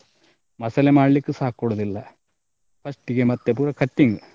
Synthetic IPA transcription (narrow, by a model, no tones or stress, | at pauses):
mɐsɐlemaːɭlikːɨsaːkːuɽɐðilːɐ | pɐsʈiɣemɐt̪ːepuːɾɐkɐtːiŋɡɨ